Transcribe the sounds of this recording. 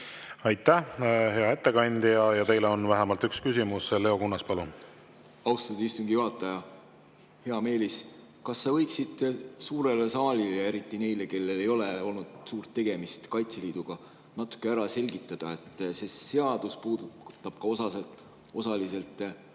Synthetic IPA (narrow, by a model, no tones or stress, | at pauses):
ɑjt̪ːæɦe̞ɑe̞t̪ːekɑnʲd̪̥jɑjɑt̪e̞jleonvæɦæmɑlt̪ykskysʲimusle̞o̞kunːɑspɑlu | ɑwst̪ɑd̪̥uist̪uŋɡ̥ijuɦɑt̪ːˑɑjɑ | he̞ɑme̞ːlis | kɑsːɑvɤjksid̪suːɾe̞lesɑːlʲilee̞ɾit̪ːˑine̞jle̞ke̞lːe̞le̞jo̞leo̞lnud̪̥suːrt̪ːe̞ɡ̥e̞mist̪kɑjt̪seliːd̪̥uɡ̥ɑ | nɑt̪ːˑu̥kːˑe̞æɾɑse̞lʲɡ̥it̪ːˑɑd̪̥ɑe̞t̪ːˑse̞se̞ɑd̪̥uspuːd̪ut̪ːˑɑb̥̚kɑo̞sɑset̪ | o̞sɑlise̞lt̪ˑ